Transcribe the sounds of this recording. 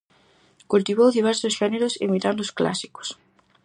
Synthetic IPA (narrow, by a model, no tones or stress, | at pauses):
kult̪iβ̞owðiβ̞ɛɾsosʃɛneɾʊsḛmit̪and̪ʊskla̰si̥ko̥s